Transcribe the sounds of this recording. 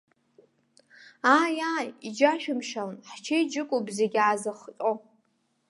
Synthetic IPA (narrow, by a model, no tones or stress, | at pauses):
aːjaːjid͡ʒaʃᶣʊmʃalnħt͡ʃʰejd͡ʒɪkʷʼʊbzeɡʲaːzɨχt͡ʃʼo